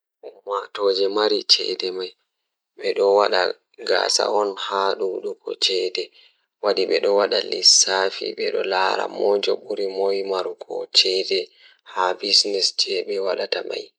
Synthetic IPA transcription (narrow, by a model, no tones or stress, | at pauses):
ʔumːatod͡ʒɛmaɾit͡ʃɛ̰dɛmaj | ɓɛɗɔwaɗa | ɡasa̰ʔɔnhaɗuɗukɔ̰t͡ʃɛdɛ | wadiɓɛɗɔwaɗalisafiɓɛɗɔlaɾa̰mod͡ʒɔɓuɾimojmaɾukɔ̰t͡ʃɛdɛ | habisnɛsd͡ʒɛɓɛwaɗatama̰j